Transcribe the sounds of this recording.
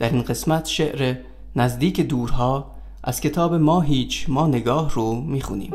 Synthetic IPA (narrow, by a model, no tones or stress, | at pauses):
d̪̥æɾinɢe̞smæt̪ʰʃeʔɾe | næzd̪iːcʰed̪uːɾɦɒː | ʔæz̥kʲʰe̞t̪ʰɒːbemɒːɦiːt͡ʃʰmɒːne̞ɡɒːhrumiːxṵnḭːm